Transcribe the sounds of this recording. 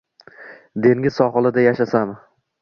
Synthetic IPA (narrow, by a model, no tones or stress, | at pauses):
d̪e̞ŋʲɪzsɒχɨlˠɪd̪ajaʃasam